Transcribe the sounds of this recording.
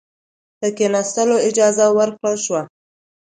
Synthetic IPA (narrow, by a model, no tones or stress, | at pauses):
d̪̥əkenɑst̪əloɪd͡ʒɑzawəɾkɽəlʃwa